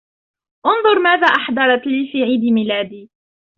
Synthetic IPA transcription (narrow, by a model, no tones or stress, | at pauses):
ʔʊnðˤʊɾˤmaːðaːʔɑħd̪ɑɾˤɑt̪liːfiːʕiːd̪imilaːd̪iː